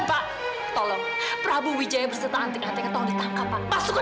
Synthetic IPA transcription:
paʔ | t̪ɔlɔŋ | pɾabuwid͡ʒajabərsət̪aant̪ɪkant̪ɪkat̪ɔŋdit̪aŋkapːaʔpasʊk

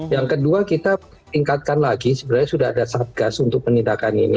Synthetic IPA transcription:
jaŋkəduakit̪a | t̪iŋkat̪̚kanlaɡisəbənarɲasudaɦa̰dasat̪̚ɡ̥asunt̪ʊk̚pənindakanḭnḭ

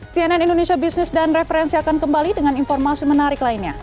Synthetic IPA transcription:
siɛnanindonesiabisnɪsdanrɛfəɾɛnsiakankəmbalidəŋaninfɔrmasimənaɾɪklainɲa

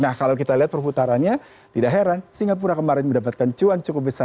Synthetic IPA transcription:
nahkalawk̬it̪aliɦat̪̚pərput̪aɾanɲa | t̪idaɦeɾansiŋap̬uɾakəmaɾɪnməndap̬at̪̚kant͡ʃuant͡ʃukʊp̚bəsa

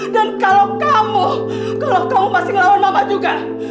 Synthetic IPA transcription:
dankalawkamu | kalawkamumasɪŋlalunamad͡ʒuɡa

